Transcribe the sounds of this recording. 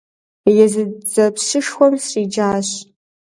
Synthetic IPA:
jɛzɨd͡zɐpsɨʂxʷɔmsrid͡ʒaːɕ

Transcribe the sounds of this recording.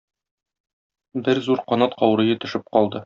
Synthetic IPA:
bɘɾzuɾqɒnɑt̪qɒwɾɤ̆jɤt̪ɵ̆ʃɘp̚qɒlˠd̪ɤ

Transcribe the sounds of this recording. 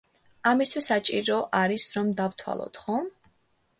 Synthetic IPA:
amist̪ʰwisat͡ʃʼiɾɔʔaɾisɾɔmd̪avt̪ʰwa̰lˠɔ̰t̪χɔ

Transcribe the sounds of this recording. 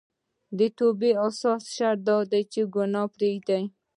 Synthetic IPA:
d̪ət̪obeasɑsʃaɾd̪ɑd̪ajt͡ʃeɡʊnɑpɾeɡd̪aj

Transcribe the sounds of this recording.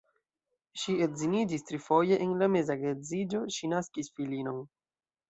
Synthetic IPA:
ʃietzinid͡ʒistɾifo̞je̞ʔenlame̞zaɡezid͡ʒo̞ʃinaskisfilino̞n

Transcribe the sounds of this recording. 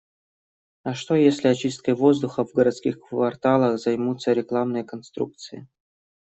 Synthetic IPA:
ɐʂt̪ojesʲlʲɪɐt͡ɕist̪̚kəjvo̞zd̪ʊxəvɡəɾɐt̪skʲixkvɐrt̪alˠəxzɐjmut̪səɾʲɪklˠamnɨjəkɐnst̪ɾṵk̚t̪sɨjɪ̰

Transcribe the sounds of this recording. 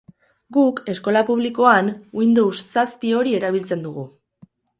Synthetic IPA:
ɡuke̞sko̞lapuβ̞liko̞anwind̪owssaspio̞ɾie̞ɾaβ̞ilt͡se̞nd̪uɣu

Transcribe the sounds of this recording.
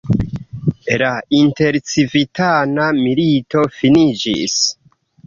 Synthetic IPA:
lainte̞ɾt͡sivitanamilito̞finid͡ʒḭs

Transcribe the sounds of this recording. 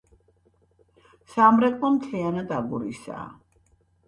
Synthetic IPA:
samɾɛkʼmɔmt̪ʰianad̪aɡuɾḭsa̰ː

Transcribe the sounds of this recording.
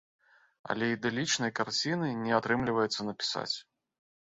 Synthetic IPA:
ɐ̰lʲɛid̪ɛlʲit͡ʂnɐjkart͡sʲinɨnʲɛat̪ɾɨmlʲivɐjɛt̪sːɐnɐpʲi̥sa̰t͡sʲ

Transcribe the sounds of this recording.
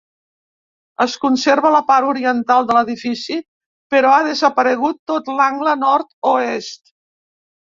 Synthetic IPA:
əskunseɾβələpaɾuɾiənt̪alˠd̪ələðifisi | pəɾɔaðəzəpəɾəɣut̪ːot̪laŋɡlənɔɾt̪oest̪

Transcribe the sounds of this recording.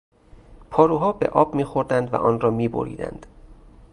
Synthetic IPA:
pʰɒːɾuːɦɒːbḛʔɒːbmiːxo̞ɾd̪ænd̪væ̰ʔɒːnrɒːmiːbo̰ɾḭːd̪æ̰nd̪̥

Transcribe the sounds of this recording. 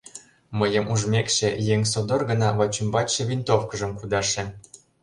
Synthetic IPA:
məjə̆mʔuʒmʲekʃĕjeŋʲs̬od̪orɣə̆nɑβɑt͡ɕymbɑt͡ɕʃĕβʲint̪ofkə̆ʒə̆mkud̪ɑʃĕ

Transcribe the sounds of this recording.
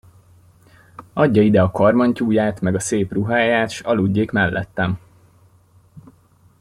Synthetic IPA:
ɒɟːɒid̪ɛɒkɒrmɒɲcuːjaːt̪mɛɡɒseːpruɦaːjaːt̪ʃɒluɟːeːkmɛlːʔɛ̰t̪ːɛm

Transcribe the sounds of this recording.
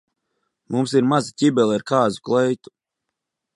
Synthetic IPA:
mumsiɾmazicʲibɛlˠaɾkaːzuklɛjt̪u̥

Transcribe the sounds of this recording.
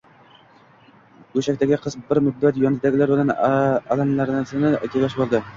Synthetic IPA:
ɡɵʃækʲt̪ʰæɡʲɪqʰɨsbɪɾmʊd̪ːat̪jɒnd̪æɡʲɪlaɾbɪlænalanlæɾsɪnɪkʲʰelʲɑʃbolˠd̪ɪ

